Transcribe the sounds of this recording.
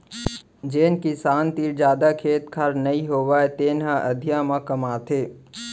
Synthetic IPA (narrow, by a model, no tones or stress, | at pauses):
d͡ʒeːnkisaːnt̪iːɾd͡ʒjaːd̪akʰeːt̪kʰaɾnɐĩɦoːʋaːet̪eːnɦãʔɐd̪ʱjãmãkɐmaːt̪ʰeː